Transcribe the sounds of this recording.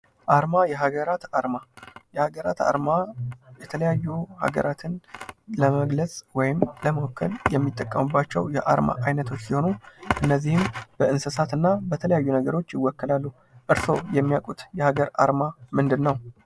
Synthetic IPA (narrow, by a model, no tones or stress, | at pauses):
ʔaɾmajɛɦaɡəɾat̪aɾmajɛhaɡəɾa̰t̪a̰ɾmajɛt̪ʰələjajːuha̰ɡə̰ɾʔat̪ʰɨnləməɡləsʼwɔjɪmləməwkʰːə̰ljɛmːit̪ʼːəkʼːəmɨbːat͡ʃːɛ̰wjɛʔaɾma̰ʔajnət̪ʰo̞t͡ʃːsiho̞nuʔɨnːəzːihɨmb̥əɨnsəsat̪ɨnːabət̪ʰələjajːunəɡəɾo̞t͡ʃːjɪwːɔkːəlalːu | ʔɨɾso̞jɛmːijakʼut̪jɛhaɡəɾa̰ɾmamɨnd̪ɨnːəw